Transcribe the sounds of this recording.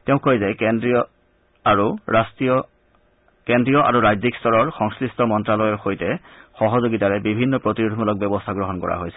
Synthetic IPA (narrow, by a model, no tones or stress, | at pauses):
tɛʊ̃kːojzɛndiɔ | aɹuastiɔ | kendɹijɔʔa̰ɹuɹajzikstɔɹɔɹxɔŋskɹistʰɔmɔntɹalɔjɔɹxojtɛxɔɦɔzoɡitaɹɛbibʱinːɔpɹotiɹudʱmulɔk̚bjɔbɔstʰaɡɹɔɦɔnkɔ̰ɹa̰ɦojsɛ